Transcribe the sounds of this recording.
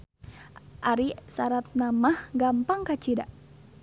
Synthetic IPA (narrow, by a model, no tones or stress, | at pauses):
ʔaɾisaɾat̪̚namahɡampaŋkat͡ʃida̰